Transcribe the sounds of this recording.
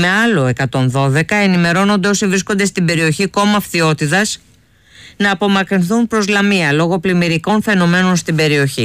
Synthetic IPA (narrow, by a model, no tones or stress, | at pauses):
me̞ɐlo̞e̞kɐt̪o̞nðo̞ðe̞kɐe̞nime̞ɾo̞no̞nd̪e̞o̞sivɾisko̞nd̪e̞st̪ibe̞ɾio̞çiko̞mɐfθio̞t̪it̪ɐs | nɐːpo̞mɐkɾinθunpɾo̞zlɐmiɐlo̞ɣo̞plimiɾiko̞nfe̞no̞me̞no̞nst̪ibe̞ɾio̞çi